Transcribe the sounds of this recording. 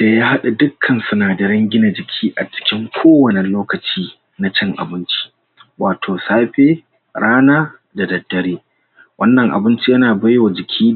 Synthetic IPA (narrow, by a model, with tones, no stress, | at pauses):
d̥a˨jaː˦ha˦ɗa˨dʊ˦kʰːɐ˨nsʊ˨naː˨dɐ˨ɽɐ˦ŋɡʲɪ˦na˨d͡ʒɪ˨kʲʰiː˦ʔa˨t͡ʃɪ̥˦kʲɪ˦ŋkʷʰoː˦wɐ˨ne˨loː˦kɐ˨t͡ʃiː˦ | na˦t͡ʃɐ˦ŋʔa̰˨bɪ˦nt͡ʃi̥˦ | waː˨tʰoː˨saː˦ɸeː˦ | ɾaː˦naː˦ | da˨dɐ˨dːɐ˨ɾeː˦ | wʔɐ˦nːɐ˨ŋʔa̰˨bɪ˦nt͡ʃi˦jɐ˦naː˨bɐ˦jwa˨d͡ʒɪ˨kʲʰiː˦